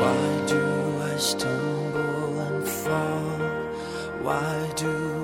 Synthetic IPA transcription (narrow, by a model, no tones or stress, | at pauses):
waɪdɨaɪstʰɛ̃ŋɡl̩ˠə̃nfa | waɪ | də